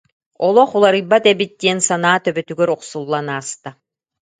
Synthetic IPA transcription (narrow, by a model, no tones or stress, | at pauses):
ɔlˠɔχulˠaɾɯjbat̪ɛbit̪̚d̪iɛnsanaːt̪œbœt̪yɡɛɾuqsulˠːanaːst̪a